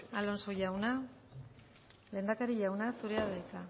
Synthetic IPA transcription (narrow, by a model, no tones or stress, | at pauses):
alo̞nsoʝawna | le̞nd̪akaɾiʝawnasuɾeaβejt͡s̪a